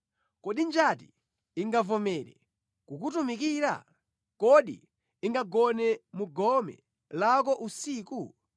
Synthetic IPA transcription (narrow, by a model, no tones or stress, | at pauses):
kɔɗind͡ʒati | iŋɡavɔmɛɾɛ̰ | kukut̬umikiɾa̰ | kɔɗḭ | iŋɡaɡɔnɛmuɡɔmɛ̰ | lak̬ɔʔusiːku